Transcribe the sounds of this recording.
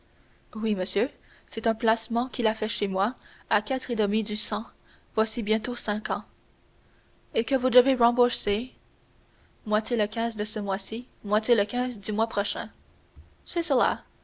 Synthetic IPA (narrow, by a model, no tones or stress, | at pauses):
wiməsjø | sɛt̪ɛ̃plasmɑ̃kʲilafɛʃemwa | akʲat̪χed̪əmid̪ysɑ̃ | vwasibjɛ̃t̪osɛ̃kɑ̃ | ekəvud̪əveʁɑ̃bose | mwat̪eləkʲɛ̃zd̪əsəmwasi | mwat̪ʲeləkʲɛ̃zd̪ymwapχɔʃɛ̰̃ | sɛsəla̰